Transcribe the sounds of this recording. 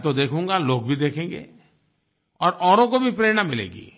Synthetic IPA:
t̪od̪eːkʰũːŋɡaloːɡbʱid̪eːkʰẽːŋɡḛː | ɔːɾɔːɾõkobʱipɾeːɽ̃amɪlḛːɡḭː

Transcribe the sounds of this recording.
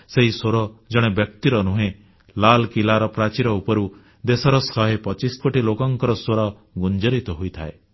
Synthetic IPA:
seɦisoɾɔd͡ʒɔɽ̃ebjɔkt̪iɾɔnuɦẽ | lalkilaɾɔpɾat͡ʃiɾɔupɔɾu | d̪esɔɾɔsɔɦepɔt͡ʃiskoʈilokɔŋkɔɾɔsoɾɔ | ɡund͡ʒɔɾit̪ɔɦujt̪ʰae

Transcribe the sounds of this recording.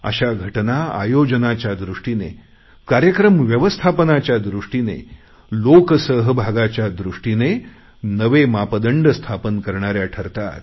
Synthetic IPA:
ə̰ɕaɡʱəʈnaa̰jod͡ʑənat͡ɕjad̪ɾuʂʈine | kaɾjəkɾəmʋjəʋəst̪ʰapənat͡ɕjad̪ɾuʂʈinḛ | loksəɦbʱaɡat͡ɕjad̪ɾuʂʈine | nəʋemapəd̪əɳɖst̪ʰapənkəɾɳaɾjaʈʰəɾt̪a̰t̪̚

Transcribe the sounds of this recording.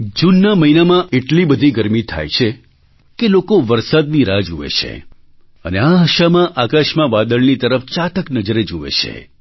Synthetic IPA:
d͡ʒunːaməɦinamãʔeʈlibəd̪ʱiɡəɾmit̪ʰa̰jt͡ʃʰe | kelokoʋəɾsad̪̚niɾad͡ʒuʋḛt͡ʃʰḛ | əneaɦəʃamãʔakaʃmãʋad̪əɭnit̪əɾəft͡ʃat̪əknəd͡ʒəɾed͡ʒuʋḛt͡ʃʰḛ

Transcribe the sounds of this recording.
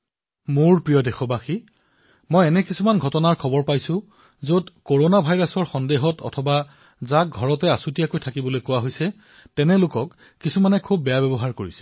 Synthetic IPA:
moɹpɹijɔdɛxɔbaxi | mɔjɛnɛkisumanɡʱɔtɔnaɹkʰɔbɔɹpajsʊ̃ | zodkoɹonabʱajɹasɔɹxɔndeɦɔtɔ̰tʰɔba | zak̚ɡʱɔɹɔtɛasutijakojtʰakibɔlojkʊwaɦojsɛ | tɛnɛlʊkɔkː | isumanɛkʰubːɛjabɛbɔɦaɹkoɹisɛ̥

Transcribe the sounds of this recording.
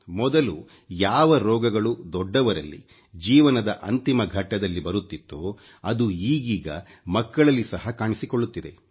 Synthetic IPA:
mɔd̪ɐlu | jaːʋɐɾɔːɡɐɡɐɭud̪ɔɖːɐʋɐɾɐlːḭ | d͡ʒiːʋɐnɐd̪ɐʔɐnt̪imɐɡʱɐʈːɐd̪ɐlːibɐɾut̪ːit̪ːoː | ɐd̪uiːɡiːɡɐ̰mɐkːɐɭɐlːisɐɦɐkaːɳisikoɭːut̪ːid̪e̞̰

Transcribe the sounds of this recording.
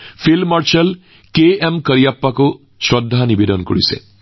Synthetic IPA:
pʰilmaɹsəl | keɛmkəɹijapːakʊ | sɹɔdʱːanibedɔnko̰ɹḭsɛ̰

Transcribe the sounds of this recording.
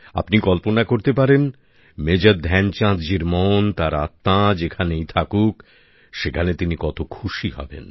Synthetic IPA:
a̰pnikɔlponakoɾt̪epaɾen | med͡ʑad̪d̪ʱɛnt͡ɕãt̪d͡ʑiɾmɔnt̪aɾa̰t̪ːad͡ʑekʰanejt̪ʰakuk | ʃekʰanet̪inikɔt̪okʰuʃihɔ̰bḛn

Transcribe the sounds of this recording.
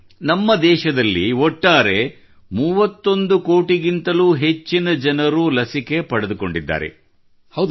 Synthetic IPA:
nɐmːɐd̪ɛːʃɐd̪ɐlːiɔʈːaːɾe̞ | muːʋɐt̪ːo̞nd̪uko̞ːʈiɡint̪ɐluɦe̞t͡ʃːinɐd͡ʒɐnɐɾulɐsike̞pɐɽed̪uko̞ɳɖid̪ːa̰ːɾe̞̰ | hɐ

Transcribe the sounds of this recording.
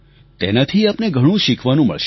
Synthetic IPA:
t̪enat̪ʰiapneɡʱəɽ̃ũʃikʰʋanũmə̰ɭʃ

